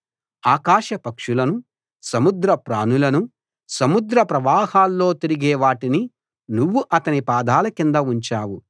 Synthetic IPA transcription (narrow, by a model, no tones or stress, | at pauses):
aːkaːʃɐpɐkʂulɐnu | sɐmud̪ɾɐpɾa̰ːnulɐnu | sɐmud̪ɾɐpɾɐʋaːhaːlːo̞ːt̪iɾiɡeːʋaːʈini | nuʋːuʔɐt̪ɐnipaːd̪aːlɐkind̪ɐuɲt͡ʃaːwu